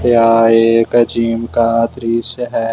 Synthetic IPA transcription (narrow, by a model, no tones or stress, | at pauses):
jaːeːkɐd͡ʒiːmkaːt̪ɾiːsəɦɛː